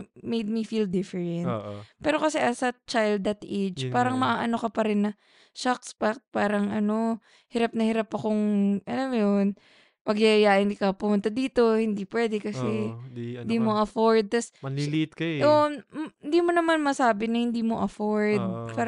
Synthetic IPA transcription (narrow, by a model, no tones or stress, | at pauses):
mejd̪̚mifiːld̪ɪfɛɹɛnt̪ːpɛːɾo̞kɐsɛʔɐsɐt͡ʃajld̪ɐt̪ʔejd͡ʒpaːɾɐŋmɐʔaːʔɐno̞kɐpɐɾɪnːɐ | ʃakspak̚t̪̚paːɾɐŋʔɐno̞ | hɪɾap̚nɐhɪɾapɐkoŋʔɐnojon | pɐɡjajjaɪnd̪ikɐpʊmʊnt̪ad̪iːt̪o̞hɪnd̪ipwɛd̪ɛkɐsɛhɪnd̪imoʔɐfo̞ɹd̪̚t̪ɐsɐlilit̪kɐʔoʔnhɪnd̪iːmo̞nɐmanmɐsaːbɪnɐhɪnd̪iːmoʔɐfoɹd̪̚paɾ